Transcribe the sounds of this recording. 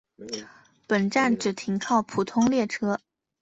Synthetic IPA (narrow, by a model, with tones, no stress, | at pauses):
pə˨˩nʈ͡ʂa˥˩nʈ͡ʂɻ̩˨˩t̪ʰi˧˥ŋkʰɑ˥˩ʊpʰu˨˩t̪ʰʊ˥ŋljɛ˥˩ʈ͡ʂʰɤ˥